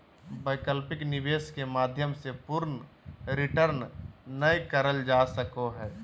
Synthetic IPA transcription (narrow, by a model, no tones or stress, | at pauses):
bəɪkəlpɪknɪʋeːskemaːd̪ʱjəmsepʊɾnɾɪʈəɾnnəjkəɾəld͡ʒaːsəkoɦɛː